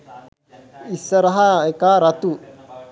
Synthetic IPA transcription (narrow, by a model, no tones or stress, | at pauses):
isːɐɾɐɦaekaːɾɐt̪u